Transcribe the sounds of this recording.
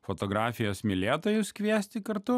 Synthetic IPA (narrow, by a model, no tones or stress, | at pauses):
fɔt̪ɔɡɾɑːfʲɪjoːsmʲɪlʲeːt̪oːjʊskʋʲiɛsʲt̪ʲɪkɐɾt̪ʊ